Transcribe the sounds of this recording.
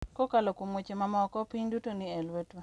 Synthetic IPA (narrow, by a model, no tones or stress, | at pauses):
kokalokumwot͡ʃemamɔkɔpiɲdutonɪelwetwa